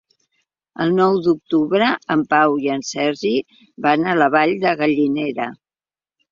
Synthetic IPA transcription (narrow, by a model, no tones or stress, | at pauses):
ə̰lˠnɔwd̪uk̚t̪uβɾəəmpawiənsɛɾʒi | banələβ̞aʎd̪əɣəʎineɾə